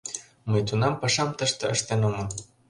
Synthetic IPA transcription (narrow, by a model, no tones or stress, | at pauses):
məjt̪unɑmpɑʃɑmt̪əʃt̪eə̰ʃt̪enomɤl